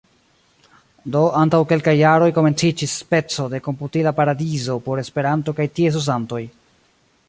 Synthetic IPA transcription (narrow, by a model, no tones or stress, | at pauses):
do̞antawke̞lkajːaɾo̞jko̞me̞nt͡sid͡ʒisːpe̞t͡so̞de̞ko̞mputilapaɾadizo̞po̞ɾe̞spe̞ɾanto̞kajtie̞s̬ozanto̞j